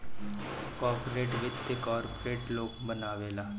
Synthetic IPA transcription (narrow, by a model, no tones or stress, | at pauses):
kɔːɾpoɾeːʈʋɪt̪ːəkɔːɾpoɾeːʈloːɡbənaːʋeːlaː